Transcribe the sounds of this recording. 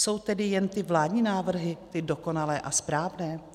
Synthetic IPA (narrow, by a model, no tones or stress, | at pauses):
so̞wt̪ɛdɪjɛnt̪ɪvlaːdɲiːnaːvr̩ɦɪt̪ɪdo̞ko̞nalɛːʔaspɾaːvnɛː